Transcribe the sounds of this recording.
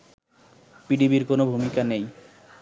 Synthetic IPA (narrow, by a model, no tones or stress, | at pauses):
piɖibiɾkonobʱumikanej